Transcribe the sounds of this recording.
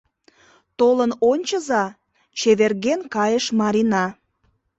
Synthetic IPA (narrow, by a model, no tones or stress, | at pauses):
t̪olənonʲt͡ɕəzɑ | t͡ɕeβerɣenkɑjəʃmɑɾinɑ